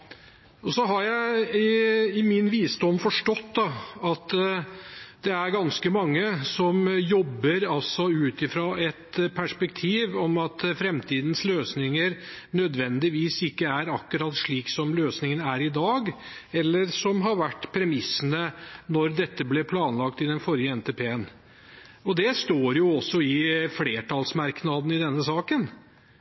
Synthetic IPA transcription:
ɔsɔɦɑɾjæɪɪɪmɪnʋiːsd̪ɔmfɔʂʈɔt̪ːd̪ɑɑt̪ | d̪̥ɛæɾɡɑnskəmɑŋːəsɔmjɔbːəɾɑlsɔʉːt̪ɪfɾoːɛt̪pʰæʂpɛkt̪ʰiːʋɔmɑt̪fɾɛmt̪ʰiːd̪ən̩sløːsnɪŋəɾnœd̪ʋɛnd̪ɪʋiːsɪkːəæɾɑkːʊɾɑːt̪ʂɭiːksɔmløːsnɪŋənæɾɪd̪ɑːɡ | ɛlːəɾsɔmɦɑɾʋæʈːpʰɾɛmɪsːənənɔɾd̪ɛt̪ːəblɛpʰlɑːnlɑk̚t̪ɪd̪ɛnfɔɾjəɛnt̪ʰeːpʰeːən | ɔd̪ɛst̪oːɾjʊɔsːɔɪfleːʈʰɑlsmɑɾknɑd̪n̩ɪd̪ɛnːəsɑːkən

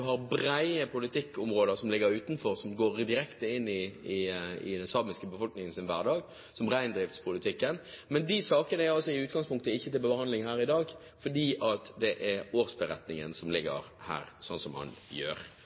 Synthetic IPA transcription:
ɦɑɾbɾæɪəpʊlɪt̪ʰɪkːʊmɾoːd̪əɾsɔmlɪɡəɾʉːt̪nfɔɾsɔmɡoːɾd̪ɪɾɛkt̪əɪnːɪɪɪ̰d̪ɛnsɑːmɪskəbəfɔlknɪŋənsɪnʋæːʁɖɑːɡ | sɔmʁæɪnd̪ɾɪft̪spʰʊlɪt̪ʰɪkːənmɛnd̪ɪsɑːkənəæɾɑlsɔɪʉːt̪̚ɡɑŋspʰʊŋk̚t̪əɪçːət̪ɪlbəbəhɑnd̪lɪŋhæːɾɪd̪ɑːɡ | fɔɖiːʔɑt̪d̪ɛʔɛɾoːɾsbəɾɛt̪nɪŋənsɔmlɪɡːə̰ɾhæ̰ːɾsɔnsɔmhɑ̰njø̰ːɾ

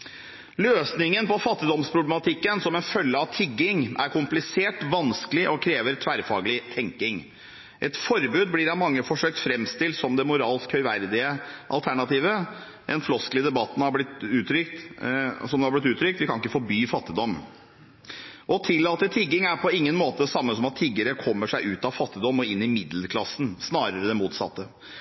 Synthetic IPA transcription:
løːsnɪŋənpɔfɑt̪ːɪd̪ɔmspʰɾʊblɛmɑt̪ʰɪkːənsɔmɛnfœlːəɑʋt̪ʰɪɡːɪŋæɾkʰʊmplɪseːʈʋɑnskəlɪʔɔkʰɾeːʋəɾt̪ʰʋæɾfɑ̰ːɡəlɪt̪ʰɛŋkɪŋ | ʔɛt̪fɔɾbʉːd̪blɪɾɑʋmɑŋːəfɔʂøːk̚t̪fɾɛmst̪ɪlt̪sɔmd̪ɛmʊɾɑːlskhœʏʋæɾd̪ɪəʔɑ̰lt̪ʰæɳɑt̪iːʋə | ɛnflɔsklɪəd̪ɛbɑt̪ːn̩hɑblɪt̪ʉːt̪ɾʏkt̪sɔmd̪hɑblɪt̪ʉːt̪ɾʏk̚t̪ʋɪkʰɑnɪkːəfɔɾbyːfɑt̪ːɪd̪ɔmː | ʔɔt̪ʰɪlːɑːt̪ət̪ʰɪɡɪŋæɾpʰɔɪŋːənmoːt̪əsɑmːəsɔmɑt̪ʰːɪɡəɾəkʰɔmːəʂæɪʉːt̪ɑʋfɑt̪ːɪd̪ɔmːɔɪnːɪmɪd̪ləkʰlɑsn̩snɑːɾəɾəd̪ɛnmuːt̪sɑ̰t̪ːə

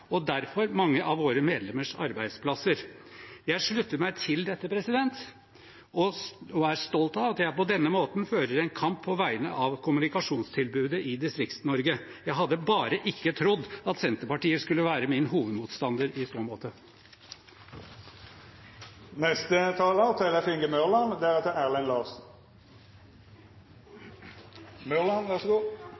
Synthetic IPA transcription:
ɔd̪æɾfɔɾmɑŋːəʔɑʋoːɾəmeːd̪lɛməʂɑ̰ɾbæɪd̪spʰlɑsəɾjæɪʂɭʉt̪ːəɾmæɪt̪ʰɪld̪ɛt̪ːəpʰɾɛsɪd̪ɛnt̪ | ɔɔæɾʂt̪ɔlt̪ɑʋɑt̪jæɪpɔd̪ɛnːəmoːt̪nføːɾəɾɛnkʰɑmpʰːɔʋæɪənə̰ʔɑʋkʰʊmʉnɪkɑʂuːnst̪ʰɪlbʉːd̪əʔɪd̪ɪst̪ɾɪkt̪nɔɾɡə | jæɪɦɑd̪ːəbɑːɾəʔɪkːət̪ʰɾʊd̪ːɑt̪sɛnt̪əpɑʈiːəskʉlːəʋæːɾəmɪnɦuːʋəd̪muːt̪st̪ɑnd̪əɾɪsoːmoːt̪ə | nɛst̪ət̪ʰɑːlət̪ʰɛləfɪŋɡəmœʁlɑnd̪ɛæʁɛt̪əæːʁlɛnlɑːsn̩ | mœʁlɑnʋæʂɡuː

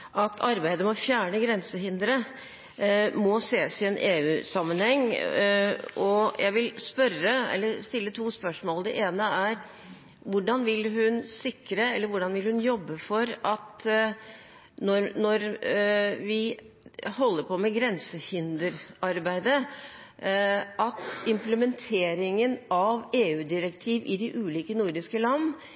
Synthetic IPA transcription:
ʔɑt̪ʰɑɾbæɪd̪əmɔfjæːɳəɡɾɛnsəɦɪnd̪əɾə | mɔseːsɪɛnʔeːʉːsɑmːənhɛŋː | ʔɔjʔæɪʋɪlspœɾəɛ̰lːəɾst̪ɪlːət̪ʰuːspœʂmoːld̪ɛ̰ʔeːnəæɾ | ʋʊɖɑnʋɪlɦʉnsɪkɾəɛlːəɾʋʊɖɑnʋɪlhʉnjɔbːəfɔɾɑt̪ | nɔɾnɔɾ | ʋɪ | hɔlːəɾpʰɔmɛɡɾɛnsəhɪnd̪əɾɑɾbæɪd̪ə | ʔɑt̪ɪmpləmɛnt̪ʰeːɾɪŋənɑʋeːʉːd̪ɪɾɛkt̪ʰiːʋɪd̪ɪʔʉːliːkənuɾd̪ɪskəlɑnː

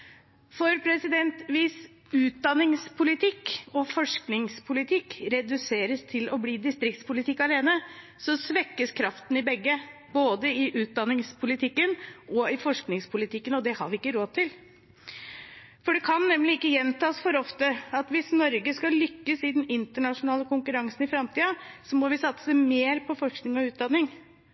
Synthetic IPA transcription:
fɔɾpʰɾɛsɪd̪ɛnt̪ʋɪs | ʉːt̪̚d̪ɑnːɪŋspʰʊlɪt̪ʰɪkɔfɔʂknɪŋspʰʊlɪt̪ʰɪkːɾɛd̪ʉseːɾəst̪ʰɪlɔbliːd̪ɪst̪ɾɪk̚t̪spʊlɪt̪ʰɪkːɑleːnə | sɔsʋɛkːəskʰɾɑft̪n̩ɪbɛɡːə | boːd̪əɪʔʉːt̪̚d̪ɑnːɪŋspʰʊlɪt̪ʰɪkːənʔɔɪfɔʂknɪŋspʰʊlɪt̪ʰɪkːənɔd̪ɛhɑ̰ɾʋɪɪkːəɾoːd̪̚t̪ʰɪl | fɔɖɛkʰɑnːɛmlɪɪkːəjɛnt̪ɑːsfɔɾɔft̪əɑt̪ʋɪsnɔɾɡəskɑlʏkːəsɪd̪ɛnɪnt̪əɳɑʂʊnɑːləkʊŋkʉɾɑŋsnɪfɾɑmt̪ʰiːəsɔmɔʋɪsɑt̪səsæmeːɾpʰɔfɔʂknɪŋɔʉːt̪̚d̪ɑnːɪŋ

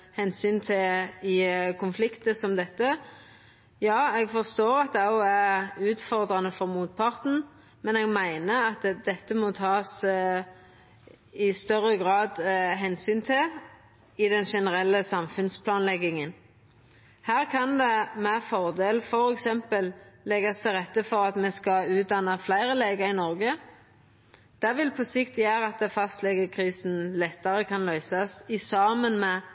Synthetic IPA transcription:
hɛnsyːnt̪ʰɪɪkʰʊnflɪkt̪əsɔmd̪ɛt̪ːə | jɑːɛɡfɔʁst̪oːɾɑt̪̚d̪ɛɔæʉːt̪fɔʁd̪ʁɑnəfɔʁmuːt̪̚pʰɑʁt̪n̩ | mɛnɛɡmæɪnəɑt̪d̪ɛt̪ːəmɔt̪ʰɑːs | ɪst̪œɾəɡɾɑːd̪ɦɛnsyːnt̪ʰɪl | ɪd̪ɛnʃɛnəʁɛlːəsɑmfʉnspʰlɑːnlɛɡɪŋən | hæːʁkʰɑnd̪ɛmæfɔʁd̪eːlfɔɾɛksɛmpəllɛɡɑst̪ʰɪlʁɛt̪ːəfɔʁɑt̪mɛskɑʉːt̪̚d̪ɑnːəflæɪʁəleːɡɑɪnɔʁɡə | d̪̥æʁʋɪlpʰɔsɪkt̪jæːʁəɑt̪əfɑst̪lɛɡəkʰʁiːsn̩lɛt̪ːəʁəkʰɑnlœʏsɑsɪsɑːmənmɛ

